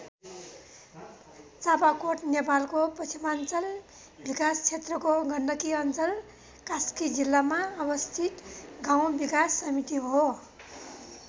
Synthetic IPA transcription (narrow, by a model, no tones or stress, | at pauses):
t͡sapakoʈnepalkopʌt͡sʰimant͡sʌl | bikast͡sʰet̪rʌkoɡʱʌnɖʌkiʌnt͡sʌl | kaskid͡zilːamaʌbʌst̪ʰit̪ɡaw̃bikasːʌmit̪iɦo